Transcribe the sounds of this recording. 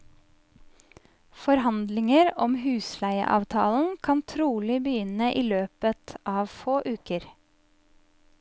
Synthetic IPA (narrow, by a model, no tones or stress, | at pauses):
fɔɾɦɑnd̪lɪŋəɾɔmhʉːslæɪə̰ʔɑ̰ːʋt̪ʰɑ̰ːln̩kʰɑnt̪ʰɾuːlɪbəjʏnəʔiːløːpət̪ʰʔɑːʋfoːʔʉːkəɾ